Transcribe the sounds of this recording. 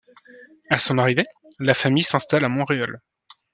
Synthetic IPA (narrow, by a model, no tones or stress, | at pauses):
asɔ̃naʁive | lafamijsɛ̃st̪alamɔ̃ʁeɔl